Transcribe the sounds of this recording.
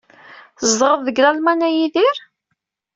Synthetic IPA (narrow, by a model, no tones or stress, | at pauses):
θzd̪ʁəððəɡlælmænæjiðiɾ